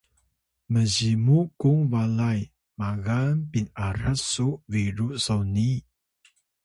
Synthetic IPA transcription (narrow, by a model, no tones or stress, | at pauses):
məzimukuŋvalaj | maɣanpinaɾasuʔviɾuʔsowni